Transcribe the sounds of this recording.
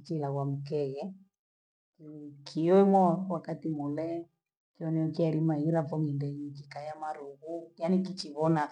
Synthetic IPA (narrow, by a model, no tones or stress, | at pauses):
t͡ʃilaɣwam̩kɛɣɛ | kikʰiwɛmɔwakatimulɛ | kiɔnɛɔkiaɾimaiɾafɔŋindɛɲikikajamaɾuɣujanikit͡ʃiβɔna